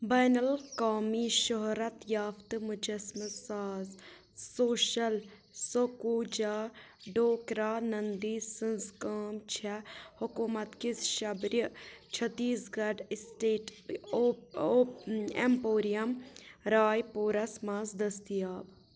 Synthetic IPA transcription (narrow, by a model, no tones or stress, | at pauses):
baːnɐlkaːmiʃɔɦɾɐt̪jaːft̪mʊd͡ʒɐsmɨsaːz | soːʃɐl | sokuːd͡ʒaːɖoːkɾaːnɐnd̪iːsɨ̃nzkaːmt͡ʃʰɛhʊkuːmɐt̪kɪsʃɐbɾt͡ʃʰɐt̪ːiːsɡɐɖsʈeːʈː | empoːɾijɐmɾaːjpuːɾɐsmãːzd̪ɐst̪ijaːb